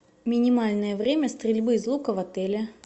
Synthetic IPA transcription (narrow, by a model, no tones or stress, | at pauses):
mʲɪnʲɪmalʲnəjəvɾʲemʲəst̪ɾʲɪlʲbɨzlˠukəvɐt̪ɛlʲɪ